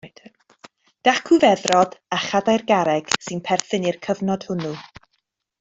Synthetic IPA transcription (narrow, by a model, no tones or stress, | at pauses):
d̥ | d̥aχkʰuvɛðrɔdaχadajrɡaɾɛɡ̥sɨnpʰɛrθɨnirkʰəvnɔd̥hʊnu